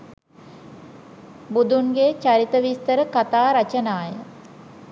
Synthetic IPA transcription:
bud̪uŋɡet͡ʃaɾit̪əʋist̪əɾəkat̪aːɾat͡ʃənaːjə

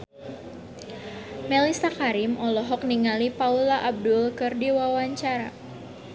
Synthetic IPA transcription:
mɛlisakaɾimʔɔlɔɦɔk̚niŋalipaulaʔab̚dʊlkɨrdiwawaɲt͡ʃaɾa̰

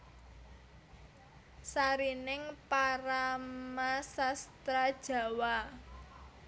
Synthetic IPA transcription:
saɾinɪŋpaɾamasast̪ɾad̥ʒ̥a̤wa

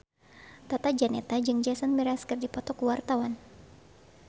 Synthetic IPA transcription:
t̪at̪ad͡ʒanɛt̪ad͡ʒɨŋd͡ʒasanmiɾaskɨrdipɔt̪ɔkuwart̪awan

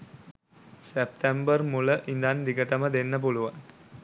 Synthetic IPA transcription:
sep̚t̪embərmuləʔind̪and̪iɡəʈəməd̪enːəp̬uluʋan

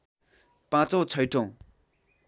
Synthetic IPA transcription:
pãt͡sõt͡sʰʌjʈʰõw

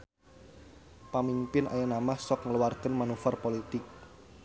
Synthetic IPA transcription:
pamimpɪnʔa̰janamahsɔkŋəluwarkənmanufarpolit̪ɪk̚

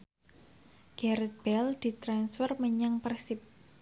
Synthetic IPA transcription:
ɡ̥ɛɾɛt̪̚b̥ɛld̪̥i̤t̪ɾansfərməɲaŋpərsɪp̚

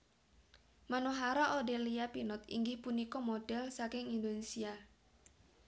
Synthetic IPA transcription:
manoɦaɾaʔodeliapinɔt̪ḭŋɡɪhpunikɔmoɖ̥ɛlsakɪŋind̪onesia

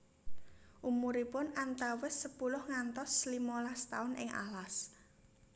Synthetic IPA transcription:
ʔumuɾipʊnant̪awɪsːəpulʊhŋant̪ɔslimɔlast̪aʊnɪ̰ŋa̰las

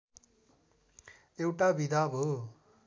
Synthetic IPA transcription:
ewʈabʱid̪abʱo

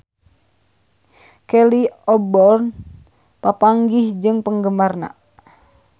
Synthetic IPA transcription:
kɛliɔbɔrn | papaŋɡihd͡ʒɨŋpəŋɡəmarna̰

